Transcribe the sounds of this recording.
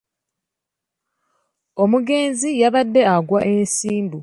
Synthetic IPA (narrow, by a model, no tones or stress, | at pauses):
o̞muɡe̞ːnzijaβadːe̞aɡwaʔe̞nsiːmbu